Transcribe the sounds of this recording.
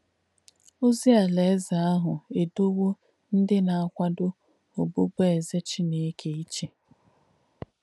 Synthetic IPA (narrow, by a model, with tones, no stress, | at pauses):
o˦zi˦a˨le˨˦za˨a˦ɦʊ˨e˨do˦wo˦ | n̩˦dɪ˦na˨a˦kʷa˦dʊ˦ | o˨bo˦be˦e˨ze˦t͡ʃi˦ne˨e˦kʰe˨i˦t͡ʃe˨